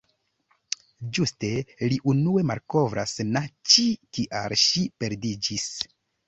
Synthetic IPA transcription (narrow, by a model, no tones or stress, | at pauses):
d͡ʒuste̞liʔunue̞malko̞vɾʔa̰snat͡ʃikiʔa̰ɾʃipe̞ɾdid͡ʒis